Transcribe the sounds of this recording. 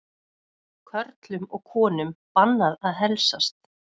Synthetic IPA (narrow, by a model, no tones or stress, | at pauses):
kʰœɾt̪lʏmɔɣkʰɔːnʏmpanːaðaðɦɛlsast̪